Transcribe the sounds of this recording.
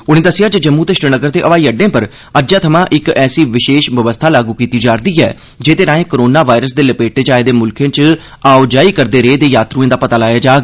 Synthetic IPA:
ʊñeːd̪əsɪjaːd͡ʒd͡ʒəmːũːt̪eːʃɾənəɡəɾd̪eːʔəʋaːiːəɖːẽːpəɾ | əd͡ʒaːt̪ʰəmãːʔɪkɛːsiːʋɪʃeːʃʋəʋəst̪ʰaːlaːɡuːkiːt̪iːd͡ʒaːɾd̪iːɦɛ̰ː | d͡ʒeːt̪eːnaːẽːkoɾoːnaːʋaːɪɾəs̬d̪eːləpeːʈeːd͡ʒaːed̪eːmʊlkʰẽːt͡ʃ | aːʊd͡ʒaːiːkəɾd̪eːɾeeːd̪eːjaːt̪ɾũẽːd̪aːpət̪aːlaːjaːd͡ʒaːɡ

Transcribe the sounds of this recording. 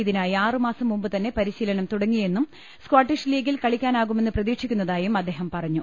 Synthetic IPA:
iðinaːjiaːrɨmaːsɐmːumbɨt̪ɐnːe̞pɐɾiɕiːlɐnɐmt̪uɽɐŋːije̞nːum | skwaːʈːiʂliːɡilkɐɭikʲːaːnaːɣume̞nːɨprɐðiːkʂikʲːunːɐðaːjumɐd̪ːe̞ːɦɐmpɐrɐɲːu

